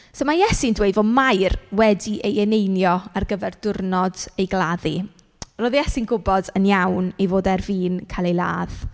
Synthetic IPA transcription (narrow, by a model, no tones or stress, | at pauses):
somajɛsɪndwejvomajrwɛdiʔejɛnejnjɔarɡəvɛrdʊrnɔdejɡlˠaði | roːðjɛsɪnɡʊbɔdənjawnejvoːdɛrviːnkʰalˠejlˠa̰ːð̥